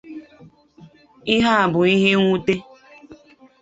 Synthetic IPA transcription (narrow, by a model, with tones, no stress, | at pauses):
i˦ɦa˦a˨bʊ˨i˦ɦe˦ŋʷu˦te˦